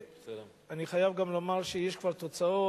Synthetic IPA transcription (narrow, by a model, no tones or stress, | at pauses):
aniχajavɡamlo̞maʁʃejeʃkvaʁt̪o̞t͡sao